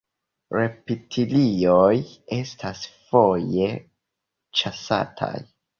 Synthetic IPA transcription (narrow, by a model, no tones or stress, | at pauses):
ɾe̞pitʰilioje̞stʰasfo̞je̞ | t͡ʃasa̰tʰa̰j